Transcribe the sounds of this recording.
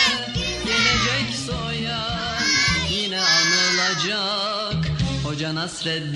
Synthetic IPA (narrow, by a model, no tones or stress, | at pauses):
d̪enɛd͡ʒɛcsoja | jinɛanˠɯlˠad͡ʒa | khod͡ʒanasɾɛt̪d̪